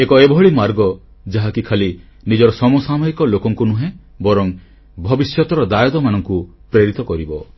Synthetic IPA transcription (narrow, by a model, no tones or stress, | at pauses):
ekɔebʱɔɭimaɾɡɔ | d͡ʒaɦakikʰali | nid͡ʒɔɾɔsɔmosamɔikɔlokɔŋkunuɦẽ | bɔɾɔŋ | bʱɔbisjɔt̪ɔɾɔd̪ajɔd̪ɔmanɔŋku | pɾeɾit̪ɔkɔɾibɔ